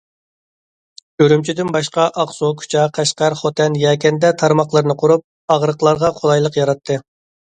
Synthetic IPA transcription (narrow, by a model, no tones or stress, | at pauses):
øɾymt͡ʃʰid̪ɪnbɑʃqɑʔɑqsokʲʰy̥t͡ʃʰɑqʰæʃqɑɾχot̪ʰɛnjɛːkʲɛnd̪ɛt̪ʰɑɾmɑχlˠɨɾnɨqʰʊɾup̚ | ɑʁɾəqlˠɑɾʁɑqʰolˠɑjlˠəqjɑɾɑt̪ʰːɨ